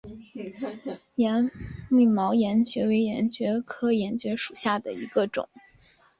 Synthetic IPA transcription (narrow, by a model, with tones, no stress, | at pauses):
jɛ˧˥ni˥˩mɑ˧˥ʊjɛ˧˥nt͡ɕɥɛ˧˥we˧˥ɪjɛ˧˥nt͡ɕɥɛ˧˥kʰɤ˥jɛ˧˥nt͡ɕɥɛ˧˥ʂu̥˨˩ɕja˥˩d̪ə˩i˧˥ɡə˧ʈ͡ʂʊ̰˨˩˦ŋ